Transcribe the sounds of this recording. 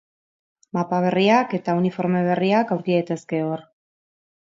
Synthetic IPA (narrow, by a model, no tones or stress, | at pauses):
mapaβ̞e̞riake̞t̪aunifo̞ɾme̞β̞e̞riakawɾkiðejt̪e̞ske̞or